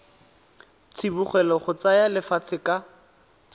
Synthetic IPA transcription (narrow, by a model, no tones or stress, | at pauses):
t͡sʰibuχwɛlɔχʊt͡sajalɪfat͡sʰɪka